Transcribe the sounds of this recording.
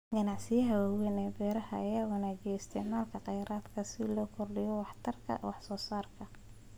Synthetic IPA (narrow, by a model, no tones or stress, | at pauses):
ɡɐnɑʕsɪjɐɦɐwawɛnɛbɛːɾɐɦɐːjaːɣɐnaːd͡ʒɛɪst̪ʰɪʕmaːlkʰɐqɑjɾaːd̪kʰɐsɪlɔːkʰɔrɖɪjɔwɑħt̪ʰɐrkʰɐ̰wɑħsɔːsaːrkʰɐ